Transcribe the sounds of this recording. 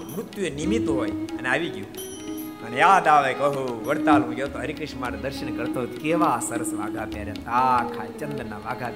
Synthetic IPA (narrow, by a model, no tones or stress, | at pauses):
mɾut̪juenimit̪ɦoːjɐneaːʋiɡju | ənejaːd̪aːʋekɐɦuʋəɾt̪aːlũɡjot̪oɦəɾikəʃmaɾed̪əɾʃənkəɾt̪aɦojt̪okeːʋasəɾəsʋaːɡʱaːpjaːɾjat̪akʰaːt͡ʃənd̪naʋaːɡʱa